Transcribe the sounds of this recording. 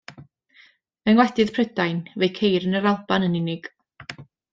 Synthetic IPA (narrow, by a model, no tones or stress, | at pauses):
mɛnwɛdɪð̥pʰrədajnvejkʰejɾənəɾalˠb̥anənɪnɪɡ̥